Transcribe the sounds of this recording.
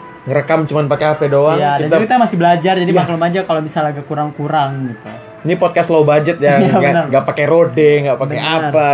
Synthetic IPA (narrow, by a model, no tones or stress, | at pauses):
ŋəɾəkamt͡ʃumanpakeafedoajadiant̪aakit̪amasɪbəlad͡ʒard͡ʒadipaklomad͡ʒakalobisalaɡakuɾaŋkuɾaŋɡit̪u | inipɔt̪̚kaslaubad͡ʒət̪̚jajaɡənərŋɡaʔpakɛɾodɛŋɡaʔpabəeaa